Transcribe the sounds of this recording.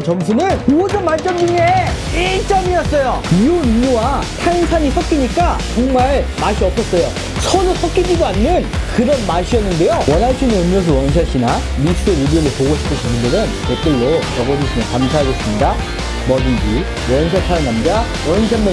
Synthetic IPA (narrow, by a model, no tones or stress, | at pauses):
t͡ɕʌmsʰunɯnmosɯnmaɭt͡ɕ͈ʌmd͡ʑuŋe | it͡ɕ͈ʌmiʌts͈ʌjoionɯmuwatʰaŋsʰaɲiɸʰwak͈iɲik͈at͡ɕoŋmaɭmaɕʰiʌp̚s͈ʰʌs͈ʌjo | sʰʌdoɸʰak͈id͡ʑidoanːɯnkɯɾʌnmaɕʰiʌnːɯnde̞jowʌnɦaɭɕ͈ʰinɯnɯmjʌs̬ʰʌwʌnɕ̬ʰaɕ͈ʰina | misʰueɾibiomopoɡoɕʰi̥pʰɯnt͡ɕʰʌmɯndɯɾɯnket͈ɯɭːojʌɡʌd͡ʑoɕʰinakamsʰaɦaɡes͈ɯmɲida | mʌdɯnd͡ʑi | wʌnɕʰasʰaɾanamɲida | wʌnɕʰamːe